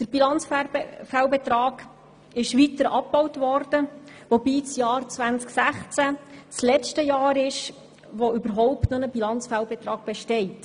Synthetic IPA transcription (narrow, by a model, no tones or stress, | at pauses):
d̥əɾb̥ilɑnt͡sffalbɛt̪ɾɑːɡ̥ | ɪʃʋitəɾʔɑpːɔwtʋɔrd̥əʋobiːt͡sjɑːrt͡sʋænt͡sksæχt͡sæt͡slɛt͡ʃtəjɑːɾɪʃ | ʋoʏbəɾɦɔʊptnonəbilɑnt͡sfalbɛt̪rɑːɡ̥̚b̥ɛʃtɛɪt